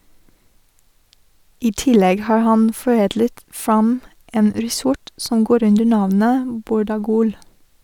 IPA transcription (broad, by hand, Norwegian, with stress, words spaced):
ˈiː ˈtɪlɛɡ ˈhɑːɾ ˈhɑn fɔˈeːdlət ˈfɾɑm ˈeːn ˈɾiːˌsɔʈ sm̩ ˈɡoːɾ ˈʉndəɾ ˈnɑʋnə ˈbuːɾɑˌɡuːl